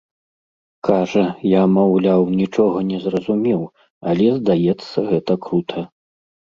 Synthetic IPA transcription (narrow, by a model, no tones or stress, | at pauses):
kʰaʐɐjamawlʲawnʲit͡ʂɔɣɐnʲɛzrɐzumʲɛw | alʲɛzd̪ajɛt̪sːɐɣɛt̪ɐkɾut̪ʰɐ